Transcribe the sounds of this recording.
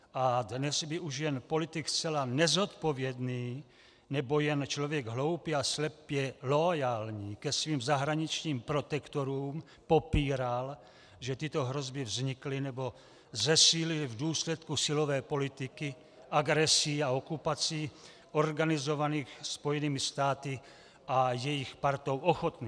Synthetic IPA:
ʔadnɛsbɪʔuʃjɛnpo̞lɪt̪ɪkst͡sɛlanɛzo̞t̪povjɛdniː | nɛbo̞jɛnt͡ʃlovjɛɡɦlo̞wpiːaslɛpjɛlojaːlɲiːkɛsviːmzaɦɾaɲɪt͡ʃɲiːmpɾo̞t̪ɛkt̪oɾuːm | po̞piːɾal | ʒɛt̪ɪt̪o̞ɦɾo̞zbɪvzɲɪklɪnɛbo̞ | zɛsiːlɪlvduːslɛt̪kusɪlovɛːpo̞lɪt̪ɪkɪ | ʔaɡɾɛsiːaokupat͡siː | o̞rɡanɪzo̞vaniːxspo̞jɛniːmɪst̪aːt̪ɪ | ʔajɛjɪxpaɾt̪o̞wʔoxot̪ni

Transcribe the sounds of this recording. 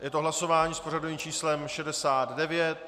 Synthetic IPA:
jɛt̪oɦlaso̞vaːɲiːspo̞radoviːmt͡ʃiːslɛmʃɛdɛsaːd̪dɛvjɛt̪̚

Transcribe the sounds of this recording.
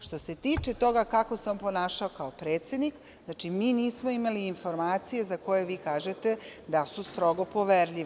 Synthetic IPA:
ʃt̪o̞se̞t̪iːt͡ʃe̞t̪o̞ɡakako̞sampo̞naːʃaokaopɾeːt̪se̞d̪nik | znat͡ʃimiːniːsmoimaliːnfo̞ɾmaːt̪sije̞zako̞jeʋiːkaːʒet̪e̞d̪asust̪ɾo̞ɡo̞po̞ʋeɾʎiʋ

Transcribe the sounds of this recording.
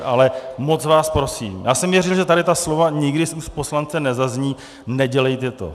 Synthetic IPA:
ʔa̰lɛmo̞t͡svaːspɾo̞sḭːmjaːsɛmvjɛrɛl̩ʒɛt̪aɾɪt̪aslo̞vaɲɪɡdɪsuspo̞slant͡sɛnɛzazɲiː | nɛɟɛlɛjt̪ɛt̪o̞̰

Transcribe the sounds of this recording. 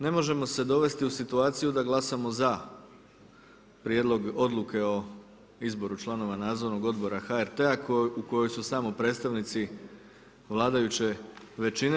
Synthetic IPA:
ne̞mo̞ʒe̞mo̞se̞d̪o̞ʋe̞st̪iusit̪uaːt̪sijud̪aɡlˠasamo̞za | pɾjed̪lˠo̞ɡo̞d̪lˠuke̞o̞ | izbo̞ɾut͡ʃlˠano̞ʋanaːd̪zoɾno̞ɡo̞d̪bo̞ɾaxaeɾt̪e̞akuko̞jo̞jsusaːmopɾet̪st̪aʋnit̪si | ʋlˠaːd̪ajut͡ɕe̞ʋe̞t͡ʃine

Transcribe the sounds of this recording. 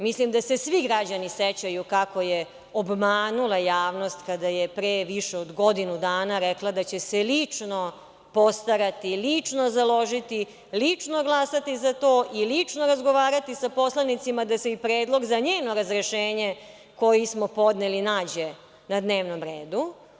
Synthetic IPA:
mislimd̪ase̞sʋiɡɾad͡ʑaniset͡ɕajukakoje | obmaːnulˠajaːʋnost̪kad̪ajepɾeːʋiʂeod̪ɡo̞d̪inud̪aːnaɾɛklˠad̪at͡ɕe̞selit͡ʂno̞ | po̞st̪aɾat̪ilit͡ʂno̞zalo̞ʒit̪i | lit͡ʂno̞ɡlˠaːsat̪izat̪oːʔilit͡ʂnoɾazɡo̞ʋaːɾat̪isapo̞slanit̪simad̪aseipɾeːd̪lˠo̞ɡzaɲeːno̞ɾazɾeʃeːɲe | ko̞jismopo̞d̪nelinaːd͡ʑe | nad̪ne̞ːʋnomɾeːd̪u

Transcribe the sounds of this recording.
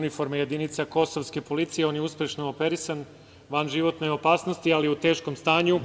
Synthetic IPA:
nifo̞ɾmeje̞d̪init̪sako̞so̞ʋske̞po̞lit̪sije̞o̞njeuspʲjeʃnoope̞ɾisan | ʋanʒiʋo̞t̪ne̞o̞paːsno̞st̪ialiut̪e̞ːʃko̞mst̪aːɲu

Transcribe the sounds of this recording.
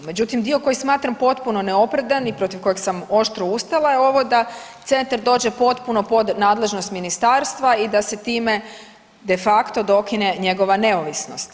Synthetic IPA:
me̞d͡ʑut̪imd̪io̞ko̞jismaːt̪ɾampo̞t̪puno̞neo̞pɾed̪anipɾo̞t̪iʋko̞jeɡsamo̞ʃt̪ɾoust̪alˠajeo̞ʋo̞d̪at̪se̞nt̪aɾd̪o̞ːd͡ʑe̞po̞t̪puno̞po̞d̪naːd̪le̞ʒnost̪minist̪aːɾst̪ʋaid̪ase̞t̪iːme̞ | d̪e̞fakt̪o̞d̪o̞kine̞ɲe̞ɡo̞ʋane̞oʋisno̞st̪

